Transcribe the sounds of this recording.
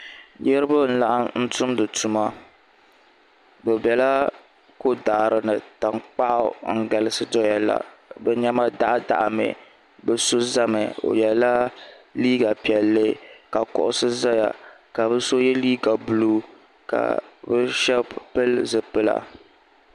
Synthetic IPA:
jɛ˦ɾɨ˦ba˦n̩˦la˨ʔa˦n̩˦tʊ˦mdɨ˨tu˨ma˦ | bɛ˨bɛ˨la˦ | ko˦daː˨ɾɨ˨nɨ˨ta˨ŋk͡pa˦ʔʊ̰˦ŋ̩˦ɡa˨lɨ˦sɨ˦dɔ˦ja˨la̰˨bɛ˦ɲɛ˦ma˦da˦ʔa˦da̰˨ʔa˨mɛ̰˨ | bɛ˦so˦za˦mɨ˨o̰˨jɛ˨la˦liː˦ɡa˨pi˨ɛ˨lːɨ˦ka˨kɔ̰˨ʔʊ˨sɨ˦za˦ja̰˨ka˨βɛ˦so˦jɛ˦liː˦ɡa˨bu˨luː˦ | ka̰˨bɛ˦ʃɛ˦pɨ˦lzɨ˨pɨ˦la̰˨

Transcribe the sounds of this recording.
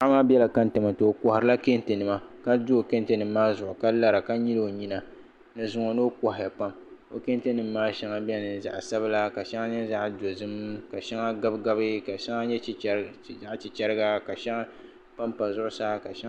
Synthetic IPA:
ʔa˦maː˦bʲɛ˦la˨ka˦n˦tɨ˨ma˨tɨ˨o˨kɔ˨ha˨ɾɨ˨˦la˦ke˦n˦tɨ˨nɨ˨ma˨ka˦du˦o˨ke˦n˦te˨nɨ˨m̩ː˦aː˦zʊ˨ʔʊ˨ka˦la˦ɾa˨ka˦ɲi˦lo˦˨o˨ɲi˦na˨ | nɨ˨zʊ˨ŋo˨no˦ka˨ha˨ja˨pa˦m | o˨ke˦n˦tɨ˦nɨ˨mː˦aː˦ʃɛ˦ŋa˦bɛ˦nɨ˨n˨za̰˨ʔsa˦ba˦la˦ka˨ʃɛ˦ŋa˦ɲɛ˦za˦ʔdo˨zɨ˦mka˨ʃɛ˦ŋa˦ɡa˦bɡa˦bɨ˦ka˨ʃa˦ŋa˦ɲɛ˦˨ | za˦ʔt͡ʃi˨t͡ʃɛ˦ɾɨ˦ɡa˦ka˨ʃɛ˦ŋa˦ | pa˦mpa˨zʊ˦ʔʊ˦saː˦ka˨ʃa˦

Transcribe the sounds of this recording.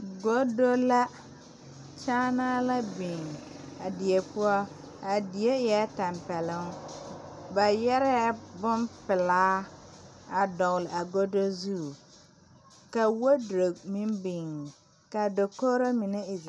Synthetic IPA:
ɡo˦do˦la˦ | t͡ʃaː˦na˦la˦bɪ˨ŋ˨ | a˨dɪ˨e˨pʊ˦ɔ˦ | a˨dɪ˨e˦ɛ˦ta˨mpɛ˨lɪ˦ŋ˦ | ba˨jɛ˦ɾɛ˦bʊ˦npɪ˨laː˦ | a˨dɔ˨lɪ˨ʔa˨ɡo˦do˦zu˦˨ | ka˨wo˦dɾo˨mɪ˦mbɪ˨ŋ | ka˨do˨ko˦ɾo˦mi˨nɛ˦ɪ˨

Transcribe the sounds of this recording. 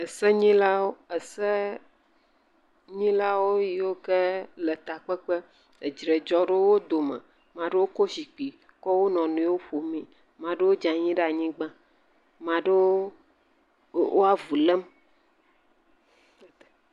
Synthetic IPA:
ɛ˨sɛ˦ɲĩ˦la˦wo˦ɛ˨sɛ˦ | ɲĩ˦la˦wo˦ji˨wo˦kɛ˦lɛ˨t̪a˨k͡pɛ˦k͡pɛ˦ | e˨d͡ʒɾe˨d͡ʒɔ˦ɖe˦wo˦d̪o˨mɛ̰̃˨ | mã˨ɖe˦wo˦ko˦si˨k͡pi˨ | kɔ˦wo˦nɔ̃˨nũ˨˦wo˦ɸo˨mĩ˦ | mã˨ɖe˦wo˦d͡ʒã˨ɲĩ˦ɖe˦a˨ɲĩ˦ɡ͡bã˦ | mã˨ɖe˦w | wo˦a˦vu˨lɛ˦m

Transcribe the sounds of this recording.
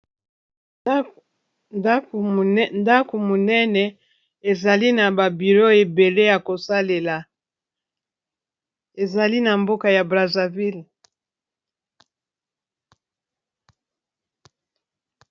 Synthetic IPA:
nda˦ko˨mo˨nɛ˦nɛ˨ | e˨za˨li˦na˨ba˨bi˨lo˦e˨be˨le˦ja˨ko˨sa˦le˨la˨ | e˨za˨li˦na˨mbo˦ka˨ja˨bʁa˨za˨vi˦l

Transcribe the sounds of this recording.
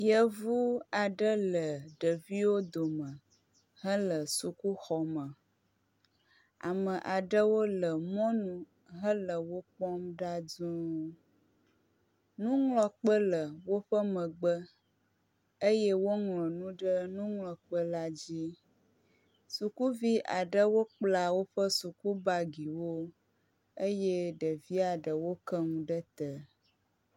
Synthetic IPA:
jə˦vu˦a˨ɖə˦lə˨ɖə˨vi˦wo˦d̪o˨mə̃˨ | ɦə̃˦lə˨su˨ku˦xɔ˨mə̃˨ | a̰˨mə̃˨ʔa˨ɖə˦wo˦lə˨mɔ̃˦nũ˨ | ɦə˦lə˨wo˦k͡pɔ˦mɖa˦dũ˦ | nũ˦ŋlɔ̃˨k͡pə˦lə˨wo˦ɸə˦mə̃˨ɡ͡bə˦ | ə˦jɛ˦wo˦ŋlɔ̃˨nũ˦ɖə˦nũ˦ŋlɔ̃˨k͡pə˦la˦d͡ʑi˦ | su˨ku˦vi˦ʔa˨ɖə˦wo˦k͡pla˨wo˦ɸə˦su˨ku˦ba˦ɡi˨wo˦ | ə˦je˦ɖə˨vi˦a˨ɖə˨wo˦kə˦ŋũ˨ɖə˦t̪ə˨

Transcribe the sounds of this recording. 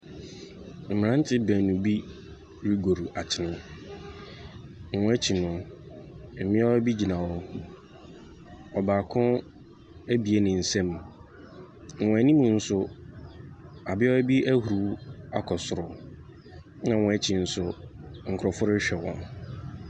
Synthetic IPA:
m̩˨m˨ɾã˦n̩˦tʰɪ˦bæ̃˨nũ˨bi˦ | ɾi˦ɡo˨ɾu˨ʔa˨t͡ɕʰɪ˨nʊ̃˦˨ | ɔ̃˦ɛ˦t͡ɕʰi˨nʊ̃˨ | m̩˨mɪ̃˦ɔ˦bi˦d͡ʑi˨nã˨wɔ˦ | ɔ˨baː˨kʰʊ̃˦ | æ˦bi˨e˦nɪ̃˨n̩˨sɛ̃˦m˨ | wɔ̃˨æ˨nĩ˦mũ˨n̩˦sʊ˦ | a˨bɪ˦ɔ˦æ˦bi˦æ˦hu˨ɾu˨˦a˨kʰɔ˨sʊ˨ɾʊ˨ | nã˨wɔ̃˨ɛ˦t͡ɕʰɪ˨n̩˦sʊ˦ŋ̩˨kʰʊ˨ɾɔ˨fʊ˦ɾʊ˦ɕᶣɛ˨wɔ̰̃˨n

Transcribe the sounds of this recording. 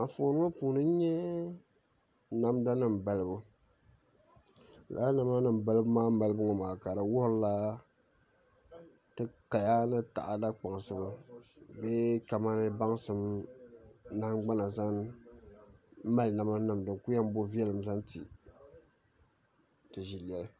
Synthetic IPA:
a˨fo˨˦nɨ˦ŋa˦puː˨nɨ˦ɲɛ˦ | na˦mda˦nɨ˨m˨ba˨lɨ˨bɨ˦ | la̰˨˦na˨ma˦nɨ˨m˨ba˨lɨ˦bɨ˦maː˦ma˨lɨ˦bɨ˦ŋɔ˨maː˨ka˨ɾa˨wɔ˦hɾla˦ | tɨ˦ka˨ja˦nɨ˦ta̰˨ʔa˨da˦k͡pa˨ŋ˨sɨ˨ba˦bɛ˦ka˨ma˦nɨ˦ba˦ŋ˦sɨ˦m | na˦ɡ͡ba˦na˨za˦n˦ | ma˦lna˨ma˦na˨mdɨ˨ŋku˦ja˦m˦bo˦vi˦ɛ˦lɨ˨mza˦n˦ti˨ | tɨ˨ʒi˨lɛ˦l

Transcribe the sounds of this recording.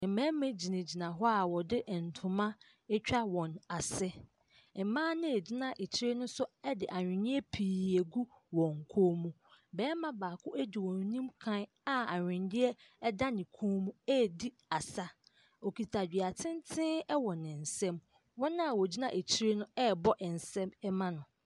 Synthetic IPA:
ɛ˨mɛ̃˦mɛ̃˦d͡ʑi˨nẽ˨d͡ʑi˨nã˨ɦɔ˦a˨wɔ˨dɪ˦ʔn̩˨tʰʊ̃˨mã˦ | ɛ˦t͡ɕᶣa˦wɔ̃˨na˨sɛ˦ | ɛ˨mãː˦nɪ̃˦e˨d͡ʑɪ˦nã˨ʔe˨t͡ɕʰi˦ɾe˦nʊ̃˦sʊ˦ɛ˦dɪ˨ʔa˨ɲᶣɪ̃˨nɪ̃˦ɛ˦pʰiː˨e˨ɡu˦wɔ̃˨ŋ˨kʰoː˦mũ˦ | bɛː˨˦mã˨baː˨kʰʊ˦ʔæ˦di˨wɔ̃˨n˨˦nĩ˦mkʰã˦n | a˨a˨ɲᶣɪ̃˨ndɪ˦ɛ˦da˦nɪ̃˨kʰõː˦mũ˦ɛ˦˨di˦ | a˨sa˦ | ɔ˨kʰi˨tʰa˨d͡ʑᶣi˨a˨tʰɪ̃˦ntʰɪ̃˦ɛ˦wɔ˨nɪ̃˨n̩˨sɛ̃˦m | wɔ̃˦nã˦a˨wɔ˨di˦nã˨ʔe˨t͡ɕʰi˦ɾe˦nʊ̃˦ɛ˦˨bɔ˦ʔɛ˨n̩˨sɛ̃˦mɛ˦mã˦nʊ̃˨

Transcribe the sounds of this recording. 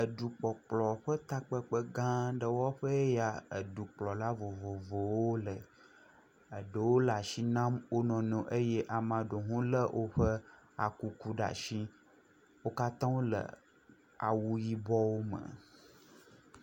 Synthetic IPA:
ə˨ɖu˨k͡pɔ˨k͡plɔ˨ɸə˦t̪a˦k͡pə˦k͡pə˦ɡã˦ɖə˨wɔ˦ɸə˦ja˨ə̰˨ɖu˨k͡plɔ˨la˦vo˨vo˨vo˨wo˦lə˨ | ə˨ɖə˨wo˦la˨ʃi˦nã˦mwo˦nɔ̃˨nɔ̃˨ʔə˦je˦ʔa˨mã˨ɖo˨ɦũ˦lə˦wʔo˦ɸə˦ | a̰˨ku˦ku˦ɖa̰˨ʃi˦ | wo˦ka˦t̪ã˦wo˦lə̰˨ | a̰˨wu˦ji˦bɔ˦wo˦mə̰˨

